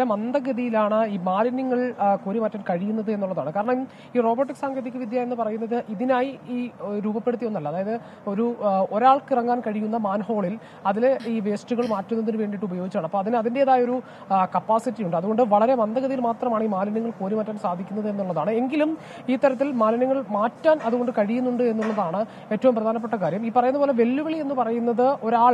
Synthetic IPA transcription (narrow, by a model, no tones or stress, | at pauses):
emɐnd̪ɐɣɡɐðijilaːɳɨiːmaːlinːiŋːɐɭkoːɾimɐtːɐnkɐɻijunːɐðɨe̞nːuɭːɐðaːɳɨkaːɾɐɳɐm | iːro̞ːbɐrʈːiksaːŋɡɐðikʲːɨʋid̪ʱjaːje̞nːɨpɐrɐjunːɐðɨʔiðinaːjiiːɾuːbɐpːe̞ɽut̪ːijonːɐlːɐðaːjɐðɨ | o̞ɾuo̞ɾaːɭkirɐŋːaːnkɐɻijːunːɐmaːnho̞ːɭil | ɐðileiːʋe̞ːsʈuɣɐɭmaːtːunːɐðinuʋe̞ːɳɖiʈːɨubɐjoːɡit͡ɕːaːɳɐpːo̞ːɐðinɐðindeːðaːjɐo̞ɾu | kɐpːaːsitːijuɳɖɨɐðuɣo̞ɳɖɨʋɐɭɐɾe̞ʋɐnd̪ʱɐɣɐðɐjilmaːt̪rɐmaːɳiːmaːlɐnɐŋːɐɭkoːɾimaːtːaːnsaːd̪ʱikʲːunːɐðɨe̞nːuɭːɐðaːɳɨe̞ŋɡilum | iːt̪ːɐɾɐt̪ːilmaːlɐnɐŋːɐɭmaːtːaːnɐðuɣo̞ɳɖɨkɐɻijunːuɳɖɨe̞nːuɭːɐðaːɳɨ | e̞ːtːɐʋumprɐd̪ʱaːnɐp̬ːeʈːɐkaːɾjɐmiːpːɐrɐjunːɐpoːle̞ʋe̞lːuʋɐɭie̞nːɨpɐrɐjunːɐðɨo̞ɾaːɭ